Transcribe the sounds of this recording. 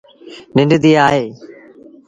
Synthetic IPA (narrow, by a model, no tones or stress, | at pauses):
nɪ̃ɳɖʱd̪iːaːɦeː